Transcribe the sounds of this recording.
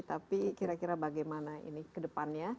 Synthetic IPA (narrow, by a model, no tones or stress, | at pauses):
t̪apikiɾakiɾabaɡajmanaḭnikədəpanɲa